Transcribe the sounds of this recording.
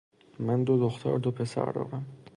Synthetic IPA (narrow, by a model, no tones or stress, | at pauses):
mænd̪od̪oxt̪ʰɒ̰ɾd̪opʰesæ̰ɾd̪ɒ̰ːɾæm